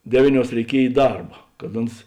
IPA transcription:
ˈdʲæːʋʲiːˌnʲuɔs rʲɛɪˈkʲiɛj ɪ ˈdɐrbɐ kɐt ˈʊns

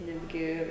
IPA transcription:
ˈnʲæːdʲɡʲɪ

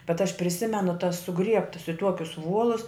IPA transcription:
bʲɛt ɐʃ pʲrʲɪˈsʲɪmʲɛnʊ tɐs sʊˈɡrʲiɛptɐs ɪ ˈtuɔkʲʊs ˈʋuɔlˠʊs

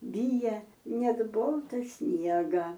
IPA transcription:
ˈbʲiːjɛ ˈnʲɛt ˈboːlˠtɐ ˈsʲnʲiɛɡɐ

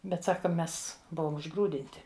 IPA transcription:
ˈbʲɛt ˈsɑːkɐ ˈmʲɛs ˈbʊʋoːm ʊʒˈɡruːdʲɪnʲtʲɪ

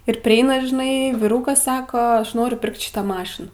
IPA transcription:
ɪr pʲrʲɪˈɛɪnɐ ʒʲɪˈnɐɪ ʋʲɪˈrʊkɐs ˈsɑːkoː ˈɐʃ ˈnoːrʲʊ ˈpʲɪrkt ˈʃʲɪtɑː ˈmɑːʃʲɪnɑː

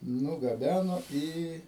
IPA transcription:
nʊɡɐˈbʲænoː ˈiː

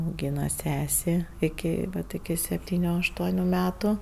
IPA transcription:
ɐʊˈɡʲiːnɐ ˈsʲæːsʲeː ɪˈkʲɪ ˈʋɐt ɪkʲɪ sʲɛpʲˈtʲiːnʲʊ ɐʃˈtuɔnʲʊ ˈmʲæːtʊ

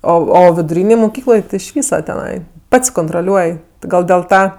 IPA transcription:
ˈoː oː ʋʲɪdʊˈrʲiːnʲeːj mʊˈkʲiːklˠoːj ɪʃ ˈʋʲiːsɐ tʲɛˈnɐɪ ˈpɐts koːntroːˈlʲuɔj tʲɪ ˈɡɐlˠ dʲeːlˠ ˈtɐ

